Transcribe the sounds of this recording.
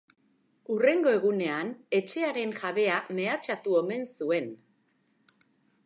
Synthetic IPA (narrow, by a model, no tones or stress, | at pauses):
ure̞ŋɡo̞e̞ɣ̞une̞ane̞t͡ʃe̞aɾe̞nʝaβe̞ame̞at͡ʃat̪uome̞nsue̞n